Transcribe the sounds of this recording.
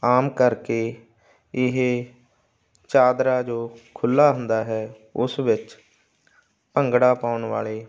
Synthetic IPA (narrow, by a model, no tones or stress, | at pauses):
aːmkəɾkeː | ɪɦe | t͡ʃaːd̪ɾaːd͡ʒoːkʰʊlːaːɦʊ̃nd̪aːɦɛː | ʊsʋɪt͡ʃ | pəŋɡɽaːpaːʊnʋa̰ːleː